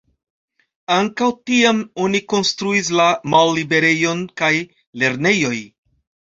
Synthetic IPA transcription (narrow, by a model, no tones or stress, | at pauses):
aŋkawtiamo̞niko̞nstɾuis̬lamalːibe̞ɾe̞jo̞nkaj | le̞ɾne̞jo̞j